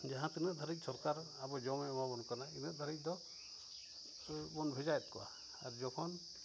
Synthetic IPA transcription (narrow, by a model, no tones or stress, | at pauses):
d͡ʒaɦãt̪inəʔd̪ʱaɾic̚ˀsɔɾkaɾ | abɔd͡ʒɔmɛmabɔnkanainəʔ̚d̪ʱaɾic̚ˀd̪ɔ | bɔnbʱɛd͡ʒajɛt̪̚kɔwa̰ | aɾd͡ʒɔkʰɔn